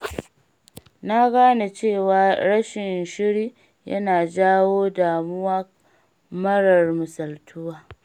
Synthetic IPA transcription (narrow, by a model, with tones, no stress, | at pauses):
na˦ɡaː˦na˨t͡ʃeː˦˨waː˨ɾɐ˦ʃɪ˨nʃɪ˦ɽiː˦ | jɐ̰˦naː˨d͡ʒaː˦woː˦daː˨mʊ˦wa˦ | mɐ˦ɽɐ˨rmʊ˨sɐ˨ltʰʊ˦waː˨